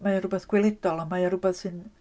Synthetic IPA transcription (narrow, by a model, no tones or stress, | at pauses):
mæjɑrupeskuilit̪ːoɑlɑmɑːjɑrupesin